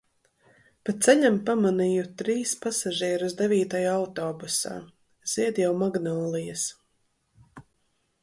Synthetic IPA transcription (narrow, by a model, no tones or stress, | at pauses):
patt̪sɛʎʲampamanijut̪ɾiːspasaʒiɛɾuzd̪eviːt̪ajaawt̪ɔːbusa̰ː | z̥iɛd̪jawmaɡnɔːlˠijɐs